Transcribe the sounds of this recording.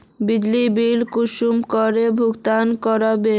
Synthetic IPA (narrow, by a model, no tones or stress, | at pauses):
bid͡ʑlibilkuʃumkoɾebʱukt̪ankɔɾabe